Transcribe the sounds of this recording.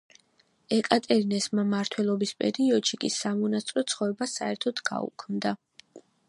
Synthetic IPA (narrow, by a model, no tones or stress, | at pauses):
ɛkʼat̪ʼɛɾinɛsmamaɾt̪ʰwɛlˠɔbispʼɛɾiɔd̪ʃikʼisamɔnat̪sʼɾɔt̪sʰχɔvɛbasaɛɾt̪ʰɔd̪ʰɡa̰ṵkʰmd̪a